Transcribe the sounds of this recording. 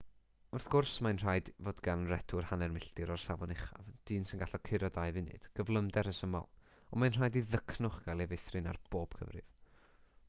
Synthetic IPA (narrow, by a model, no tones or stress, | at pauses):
ʊrθɡ̥ʊrsmanr̥aːɨdvoːdɡanrɛtʰʊrhanɛrmɪɬdɨɾɔrsavɔnɪχa̰vd̥ɨːnsɪnɡaɬɔkʰɪɾɔdajvɪnɨ̰d̥ɡ̥əvlˠəmdɛɾəsəmɔ̰lˠ | ɔmajnr̥aːjdiðəkʰnʊχɡ̥alˠivejθrɨna̰rb̥oːb̥kʰə̰vrɨ̰v̥